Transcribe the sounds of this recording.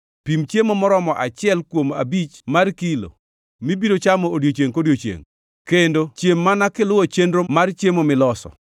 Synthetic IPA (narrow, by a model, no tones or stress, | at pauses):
pimt͡ʃjemomɔɾɔmɔʔat͡ʃɪɛlkwoma̰bit͡ʃmarkilo̰ | mibidot͡ʃamɔodjot͡ʃjeŋkodjot͡ʃjḛŋ | kendot͡ʃjemːanakɪlʊwɔt͡ʃendɾomart͡ʃjemomɪlɔsɔ̰